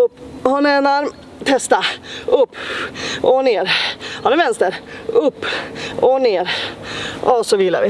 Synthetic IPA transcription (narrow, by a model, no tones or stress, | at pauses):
ɵpːhʊnɛnaɾm | t̪ʰɛst̪aɵpːʔɔneːɾhʊnɛɾvɛnst̪əɾɵpːɔneːɾ | ɔsɔvila̰ɾɪ